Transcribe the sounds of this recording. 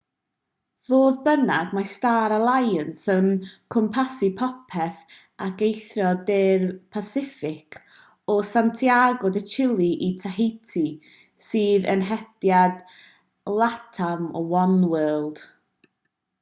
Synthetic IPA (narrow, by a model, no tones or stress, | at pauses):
voːðbənaɡmastaːɾalˠajənsənkʰɔmpʰasipʰɔpʰɛθ | aɡejθrɔdeːrpʰasɪfɪkʰ | ɔsantʰiaɡɔdət͡ʃʰɪlˠiʔitʰaɦejtʰi | sɨːðə̰nɦɛdjad̥ | lˠatʰamɔwɔnwɛəlˠd̥